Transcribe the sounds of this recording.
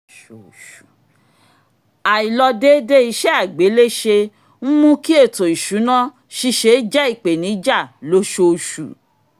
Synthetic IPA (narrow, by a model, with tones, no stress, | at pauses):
a˨i˨lɔ˧de˦de˦i˧ʃɛ˦a˦˨ɡ͡be˨˦le˦ʃe˧ | m̩˦mũ˦ki˦e˦˨to˨i˨ʃu˨˦nã˦ | ʃi˧ʃe˧˦d͡ʒɛ˦i˦˨k͡pe˨nĩ˨˦d͡ʒa˦˨lo˨˦ʃo˧ʃṵ˨